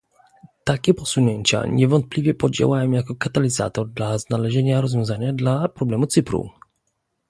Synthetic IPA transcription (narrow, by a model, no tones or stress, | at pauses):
t̪akʲɛpɔsuɲɛɲt͡ɕa̰ɲɛvɔnt̪̚plʲivʲjɛpɔd͡ʑɛ̰wajɔwjakɔkat̪alʲiza̰t̪ɔɾd̪laznalɛʒɛɲaɾɔzvʲjɔ̃w̃zaɲad̪lapɾɔblɛmut̪sɘpɾṵ